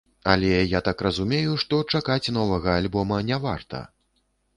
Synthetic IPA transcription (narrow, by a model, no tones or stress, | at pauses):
a̰lʲɛjat̪akrɐzumʲejuʂt̪ɔt͡ʂakat͡sʲnɔvɐɣɐalʲbɔmɐnʲɛva̰rt̪ɐ̰